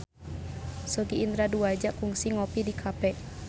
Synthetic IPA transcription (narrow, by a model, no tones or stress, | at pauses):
sɔɡiːnd̪ɾaduad͡ʒakuŋsiŋɔpidikʰapɛ